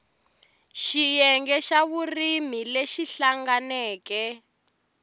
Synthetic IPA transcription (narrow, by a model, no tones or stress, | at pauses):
ʃijɛŋɡɛʃaβurimileʃiɬaŋɡanɛːkɛ